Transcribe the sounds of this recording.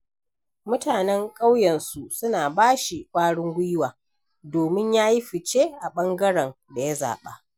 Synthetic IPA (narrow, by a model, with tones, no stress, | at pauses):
mʊ˦taː˨nɛ˦ŋkʼa˦wjɛ˨nsu˨sʊ˦naː˨baː˦ʃi˨kʷʼaː˦ɽɪ˦ŋɡʷʊ˦jwaː˨ | doː˨mɪ˦ɲjaː˦ji˦ɸɪ˨t͡ʃe˦ʔa˨ɓɐ˦ŋɡɐ˦ɽɛ˨n | da˨ja˦za̰ː˨ɓa̰˦ʔ